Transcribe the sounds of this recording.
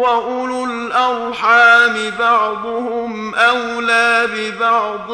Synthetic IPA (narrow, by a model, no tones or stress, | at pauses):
aʔʊlʊl | ʔawħaːmɪbɑʕd̪ˤʊhʊm | ʔawlaːbɪbɑʕd̪ˤ